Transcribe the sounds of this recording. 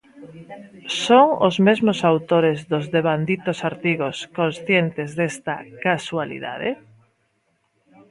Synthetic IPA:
soŋozmezmosawt̪oɾezðozðeβand̪it̪osaɾt̪iɣoskonsθjent̪ezðest̪a̰kaswalḭða̰ðḛ

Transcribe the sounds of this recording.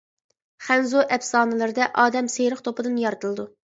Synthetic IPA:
χænzoʔɛpsɑːnɨlˠɨɾɨd̪ɛʔɑːd̪ɛmsejɾəχt̪ʰopɨd̪ɨnjɑɾt̪ʰɨlˠɨd̪u

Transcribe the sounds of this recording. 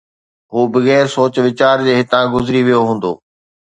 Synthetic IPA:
ɦuːbɐɣɛːɾsoːt͡ɕʋɪt͡ɕaːɾd͡ʑeːɦɪt̪ãɡʊzɪɾiʋijoɦũːn̆d̪o̰ː

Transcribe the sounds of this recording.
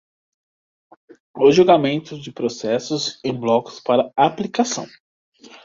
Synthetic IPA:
ʊʒuɡamẽnt̪ʊzd͡ʒɪpɾosɛsʊzẽj̃blɔkʊ̥spaɾɐaplikasɐ̰̃w̃

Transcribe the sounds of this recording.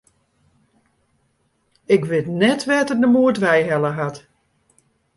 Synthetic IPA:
ɪkʋɪtnɛtʋɛtədəmuədʋɛjɦɛləɦat

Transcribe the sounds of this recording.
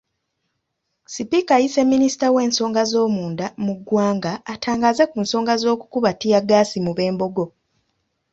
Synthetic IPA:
sipikajise̞mːinisi̥tawe̞ːnso̞ːŋɡazo̞ːmuːndamuɡwaːŋɡaːtʰaːŋɡazekuːnso̞ːŋɡazo̞ːku̥kuβatijaɡaːsimuβe̞ːmbo̞ɡo̞

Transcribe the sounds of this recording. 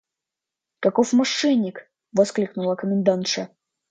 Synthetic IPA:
kɐkofmɐʂɛnʲːɪk | vɐsklʲiknʊlˠəkəmʲɪnd̪ant̪ʂɐ

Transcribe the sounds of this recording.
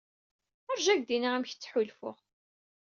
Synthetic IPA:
əɾʒæʝd̪inaæmçə̥t͡sːħulfʊ̰ʁ

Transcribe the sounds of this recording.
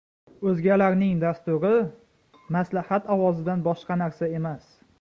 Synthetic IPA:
ɵzɡʲalaɾnɪŋd̪ast̪ʊɾɪ | maslahat̪ɒwɒzɪd̪anbɒʃqɑnaɾsae̞mas

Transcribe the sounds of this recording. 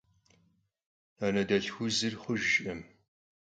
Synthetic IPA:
aːnɐdɐɬxʷʊzɨrχəʒɕʼʔɐm

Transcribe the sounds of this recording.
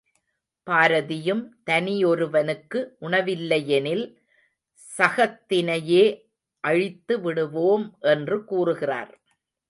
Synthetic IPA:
paːɾɐðɪjɯmt̪ɐnɪjɔɾɯʋɐnɯkːɯʔʊɳɐʋɪlːɐjɛnɪl | sɐɣɐt̪ːɪnɐjeː | ʔɐɻɪt̪ːɯʋɪɽɯʋoːmʔɛndrɯkuːrɯɣɪra̰ːɾ

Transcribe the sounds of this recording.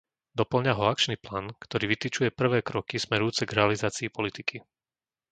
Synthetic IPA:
d̪ɔpl̩ɲaɦɔak̚t͡ʃniplaːnkt̪ɔɾiːʋit̪it͡ʃujɛpr̩ʋɛːkɾɔkismɛɾujuːt͡sɛɡɾɛalizaːt͡siːpɔlit̪ikʰi

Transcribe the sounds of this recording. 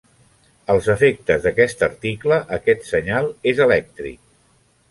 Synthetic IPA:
əlˠzəfek̚t̪əzðəkɛst̪əɾt̪ikləʔəkɛt̪səɲalˠezəlɛk̚t̪ɾḭk̚

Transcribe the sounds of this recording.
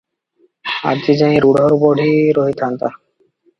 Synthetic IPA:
a̰d͡ʑid͡ʑaiɾuɽʱɔɾbɔɖʱiɾoɦit̪ʰant̪a

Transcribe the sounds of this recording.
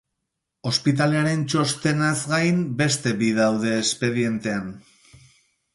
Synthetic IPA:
o̞spit̪̬aleaɾe̞nt͡ʃo̞st̪e̞nazɡajmbe̞st̪e̞biðawðe̞ːspe̞ðie̞nt̪e̞an

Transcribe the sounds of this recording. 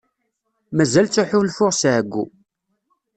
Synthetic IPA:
mæzælt͡sːuħʊlfʊʁsʕəɡʷːṵ

